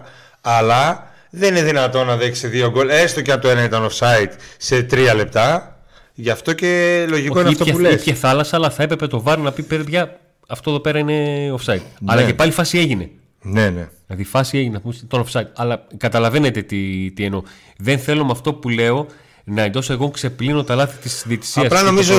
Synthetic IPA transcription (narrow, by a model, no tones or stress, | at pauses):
ɐlɐ | ðenineðinɐt̪o̞nɐðeksiðio̞ɡolest̪ocɐt̪oenɐit̪ɐnosɐit̪se̞t̪ɾiɐle̞p̚t̪ɐ | ʝɐft̪o̞ce̞lo̞ʝikoinɐift̪oulepçɐθɐlɐsɐːlɐθɐe̞pɾe̞pe̞t̪o̞vɐɾonɐpipeɾpçɐ | ɐft̪oðo̞pe̞ɾɐineofsɐit̪̚ɐlɐce̞pɐlifɐsie̞ʝine̞ | nenelɐðifɐsie̞ʝinefumst̪onofsɐit̪̚ɐlɐkɐt̪ɐlɐve̞net̪et̪it̪ieno̞ | ðe̞nθe̞lo̞mɐft̪o̞pule̞o̞ | nɐend̪o̞soeɣokse̞plino̞t̪ɐlɐθit̪isðiet̪i̥siɐslɐnomizo